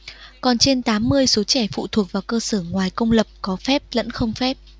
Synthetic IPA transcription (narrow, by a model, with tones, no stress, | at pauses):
kɔ˨˩nt͡ɕe˧nt̪aː˨˦mːɨ˧əjso˨˦t͡ɕɛ˧˩fṵ˧˨t̪ʰu˨˩ək̚vaː˨˩wkəː˧səː˧˩ŋwaː˨˩jkə˧wŋ͡mlə˨˩p̚kɔ˨˦fɛ˦˥p̚lə̰˧˥nxə˧wŋ͡mfɛ˦˥p̚